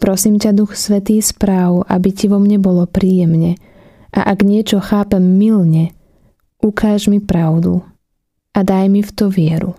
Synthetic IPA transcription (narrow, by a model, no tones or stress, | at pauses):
pɾɔsiːmcad̪uxsʋɛt̪iːspɾaːʊʔa̰biciʋɔmɲɛbɔlɔpɾiːjɛmɲɛ | ʔa̰ʔaɡɲɪɛt͡ʃɔxaːpɛmːilɲɛ | ʔukʰaːʒmipɾaʊd̪ṵ | ʔad̪ajmift̪ɔʋɪɛɾṵ